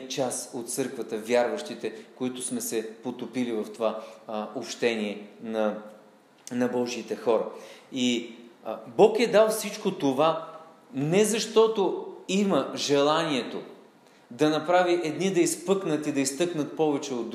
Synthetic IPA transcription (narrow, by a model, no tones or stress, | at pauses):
t͡ʃasot̪̚t̪sɤɾkvət̪əvʲjaɾvəʃt̪it̪ɛkoit̪ʊsmɛsɛpot̪opilivɐft̪ovaopʃt̪ɛniɛnɐ | nɐbɔʒiit̪ɛxɔɾəi | bɔkɛd̪alˠfsit͡ʃkot̪ova | nɛzɐʃt̪ɔt̪oiməʒɛlˠaniɛt̪o | d̪ɐnɐpɾaviʔɛd̪nid̪ɐispɤknət̪id̪ɐist̪ɤknət̪̚pɔvɛt͡ʃɛod̪ː